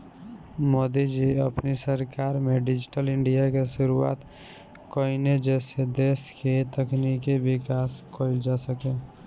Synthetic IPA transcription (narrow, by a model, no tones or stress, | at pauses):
moːd̪id͡ʒiɐ̰pnisəɾkaːɾmẽɖɪd͡ʒɪʈəlɪ̃ɳɖijakeʃʊɾua̰ːt̪ | koined͡ʒɛːsed̪eːsket̪əknikibɪkaːskʰoːɪld͡ʒaːsəkẽː